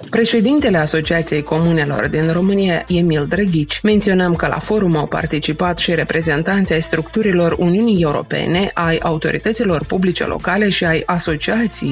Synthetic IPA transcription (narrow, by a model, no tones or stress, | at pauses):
pɾe̞ʃe̞d̪int̪e̞le̞aso̞t͡ʃiat̪sije̞jko̞mune̞lo̞̰rd̪inro̞mɨnijae̞mild̪ɾəɡʲit͡ʃʲme̞nt̪sio̞nəmkəla̰fo̞ɾumawpa̰rt̪it͡ʃipat̪ʃiɾe̞pɾe̞ze̞nt̪ant̪sajst̪ɾukt̪uɾilo̞runiunije̞uɾo̞̰pe̞̰ne̞ʔaja̰ut̪o̞̰ɾḭt̪ət̪silo̞rpublit͡ʃe̞̰lʔo̞̰kale̞ʃiajaso̞t͡ʃiat̪sijej